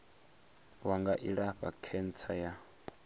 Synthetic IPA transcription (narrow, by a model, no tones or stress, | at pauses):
waŋɡaʔiɺaɸakʰɛnt͡sʰaja